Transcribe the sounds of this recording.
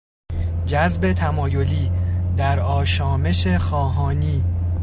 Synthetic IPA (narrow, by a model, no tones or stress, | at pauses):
d͡ʒæzbe̞t̪ʰæmɒːjo̞liːd̪æɾɒːʃɒːme̞ʃe̞xɒːɦɒːniː